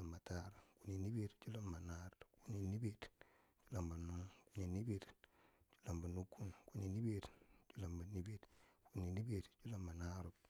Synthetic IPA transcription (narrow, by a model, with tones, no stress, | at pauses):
a˨mba˨ta˦ɾku˨ni˨ni˦be˦ɾt͡ʃu˦la˦mːa˨na˦ɾku˦ni˨ni˦be˦˨ɾ | t͡ʃu˦la˨mba˨nu˦ŋku˦ni˨ni˦be˨ɾt͡ʃu˦la˨mba˨nu˦kːu˦nku˦ni˨ni˦be˦ɾt͡ʃu˦la˨mba˨ni˦bi˦ɾku˦ni˨ni˦be˨ɾt͡ʃu˦la˨mba˨na˦ɾu˨b